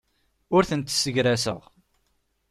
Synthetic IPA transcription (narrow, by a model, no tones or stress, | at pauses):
ʊɾθənt̪ːsəʝɾæsə̰ʁ